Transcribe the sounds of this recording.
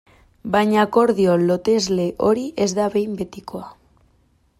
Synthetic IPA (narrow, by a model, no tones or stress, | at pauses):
bajɲako̞ɾðiolo̞t̪e̞zle̞ʔo̞ɾiʔe̞zðaβejmbe̞t̪iko̞a